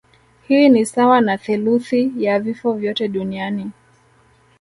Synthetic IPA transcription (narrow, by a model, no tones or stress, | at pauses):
hiːnisawanaθuluθijavifɔvjɔtɛɗuniani